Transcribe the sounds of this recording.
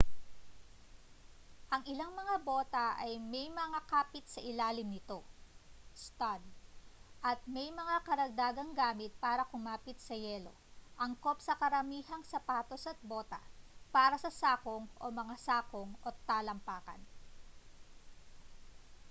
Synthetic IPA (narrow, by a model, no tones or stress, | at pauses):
ʔɐŋɪlaŋmɐŋabo̞ːt̪ɐʔɐjmɛjmɐŋakaːpɪt̪sɐʔɪlaːlɪmnɪt̪o̞ | st̪ad̪̚ʔɐt̪̚mɛjmɐŋakɐɾɐɡ̚d̪aːɡɐŋɡaːmɪt̪̚paːɾɐkʊmaːpɪt̪̚sɐjɛːlo̞̰ʔɐŋko̞psɐkɐɾɐmiːɦɐŋsɐpaːt̪o̞sɐt̪̚bo̞ːt̪ɐ̰paːɾɐsɐsaːkoŋʔo̞̰mɐŋasaːkoŋʔot̪ːaːlɐmpaːkɐ̰n